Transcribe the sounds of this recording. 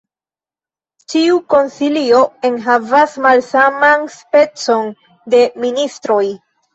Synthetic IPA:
tiuko̞nsilio̞e̞nɦavasmalsamanspe̞t͡so̞n | de̞ministɾo̞j

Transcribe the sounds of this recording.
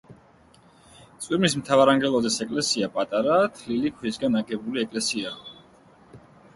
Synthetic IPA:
t̪sʼwʼiɾmismt̪ʰavaɾaŋɡɛlˠɔzɛsɛkʼlɛsiapʼat̪ʼaɾat̪ʰlilikʰwisɡanaɡɛbuliɛkʼlɛsia

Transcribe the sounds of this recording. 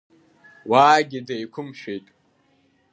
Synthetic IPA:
waːɡʲidajkʷʰʊmʃᶣejtʼ

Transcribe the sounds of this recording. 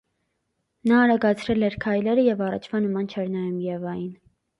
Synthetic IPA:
nɑːɾɑɡɑt͡sʰɾɛlɛɾkʰɑjlɛɾəjɛvɑrɑ̰t͡ʃʰvɑnəmɑnt͡ʃʰɛɾnɑjumjɛvɑjin

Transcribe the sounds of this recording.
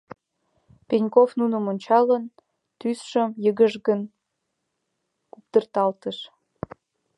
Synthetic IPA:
penʲkofnunə̆monʲt͡ɕɑlən | t̪ysʃəmjəɣəʒɣən | kupt̪ərt̪ɑlt̪əʃ

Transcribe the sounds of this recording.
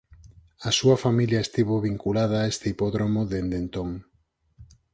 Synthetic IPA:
asuɐfamiljaest̪iβoβiŋkulað̞aːest̪eipoðɾomoðend̪ent̪oŋ

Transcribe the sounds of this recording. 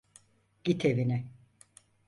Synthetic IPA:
ɟ̥it̪ʰevinɪ

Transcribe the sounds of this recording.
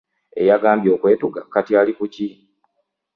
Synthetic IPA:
e̞̰jaɡaːmbjo̞ːkwe̞ːtuɡakatjaːlikuci

